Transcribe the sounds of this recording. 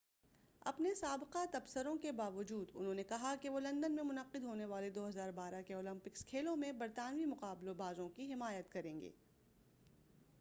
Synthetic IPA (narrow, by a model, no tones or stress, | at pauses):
ɐ̰pnesaːbɪqat̪ɐbsəɾõkebaːʋʊd͡ʒuːd̪ʊ̰nɦõːnekɐɦakeʋoːlɐ̃nd̪ənmẽmʊnɐqːɪd̪ɦoːneʋaːled̪oːɦɐzaːɾbaːɾakeɔːlɐ̃mpɪkskʰeːlõmẽbɐɾt̪aːnʋimʊqaːblobaːzõkiɦɪmaːjət̪kɐɾẽːŋɡḛː